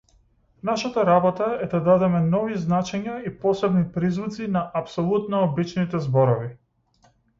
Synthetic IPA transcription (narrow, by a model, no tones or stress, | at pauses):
naʃat̪aɾabɔt̪aɛd̪ad̪ad̪ɛmɛnɔviznat͡ʃɛɲaipɔsɛbnipɾizvut̪sinaʔapsɔlˠut̪nɔːbit͡ʃnit̪ɛzbɔɾɔvi